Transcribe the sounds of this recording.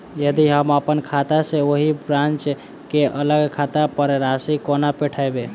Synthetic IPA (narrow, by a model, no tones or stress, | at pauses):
jəd̪iɦəməpənkʰat̪aseoɦibɾãnt͡ʃ | keʔələɡkʰat̪apəɾɾasikonapeʈʰaebe